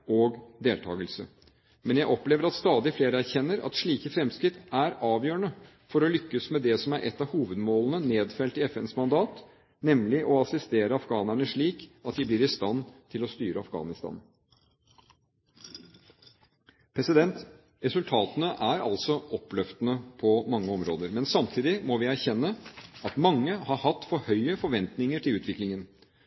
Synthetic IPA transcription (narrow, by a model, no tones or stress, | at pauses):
ɔɡd̪eːlt̪ʰɑ̰ːɡəlsə̰ | mɛnjæɪʔɔpleːʋəɾɑt̪st̪ɑːd̪ɪfleːɾəæɾçɛnːəɾɑ̰t̪ʂɭiːkəfɾɛmskɾɪt̪ːæɾɑːʋjøːəɳə | fɔɾɔlʏkːəsmɛd̪ɛsɔmæɾʔɛ̰t̪ːɑhuːʋəd̪moːlənəneːd̪fɛlt̪ɪɛfɛnsmɑnd̪ɑːt̪ | nɛmlɪʔɔɑsɪst̪eːɾəɑfɡɑːnæɳəʂɭiːkɑt̪d̪ɪblɪɾɪst̪ɑnt̪ʰɪlɔst̪yːɾəɑfɡɑ̰ːnɪst̪ɑ̰ːn | pʰɾɛsɪd̪ɛnt̪ | ɾɛsʉlt̪ʰɑːt̪ənəʔæɾɑ̰lsɔʔɔpːlœft̪ənəpʰɔmɑŋːəɔmɾo̰ːd̪əɾmɛnsɑmt̪ʰiːd̪ɪmɔʋɪæɾçɛnːəɑt̪mɑŋːəhɑɾhɑt̪ːfɔhœʏəfɔɾʋɛnt̪nɪŋəʈʰɪlʉːt̪ʰʋɪklɪŋən